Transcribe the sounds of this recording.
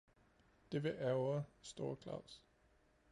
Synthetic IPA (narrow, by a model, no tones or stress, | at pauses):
d̥e̝ʋeʔæʊɐsd̥o̝ːɐkʰlɑ̰ʊs